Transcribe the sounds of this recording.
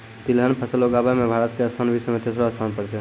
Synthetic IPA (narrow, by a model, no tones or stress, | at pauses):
t̪ilɦənpʰəsəloɡabamebʱaɾət̪keəst̪ʰanbʱisəmet̪esɾoəst̪ʰanpəɽt͡ʃɛ